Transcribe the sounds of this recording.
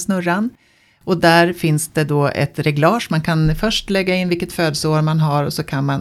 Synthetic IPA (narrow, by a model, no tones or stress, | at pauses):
snɵɾan | ɔd̪æɾfɪnsd̪̥ɛd̪ɔːɛ̰t̪ɾɛɡlɑːʂmankʰanfœʂʈlɛɡːaɪnːvɪlkət̪føːd̪səoːɾmanɦaɾɔsɔkʰanman